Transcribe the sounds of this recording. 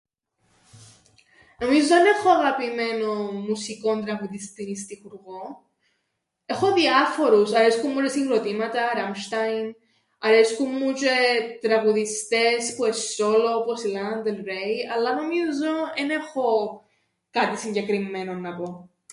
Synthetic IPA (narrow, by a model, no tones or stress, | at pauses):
no̞mizooenexoɐɣɐpime̞nomusiko̞nt̪ɾɐɣuðist̪inis̬t̪ixuɾɣo | e̞xo̞ðiɐfo̞ɾusɐɾeskumːut͡ʃesiŋɡɾot̪imɐt̪ɐɾɐmʃt̪ɐjn | ɐɾeskumːut͡ʃet̪ɾɐɣuðist̪espueso̞looposilɐnd̪elɾejɐlːɐno̞mizo̞enexo̞ | kɐt̪isiɲɟekɾimːe̞nonːɐpo̞